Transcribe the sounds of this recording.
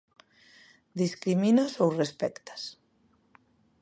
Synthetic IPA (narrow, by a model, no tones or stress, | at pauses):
d̪iskɾiminasowrespɛkt̪ḁs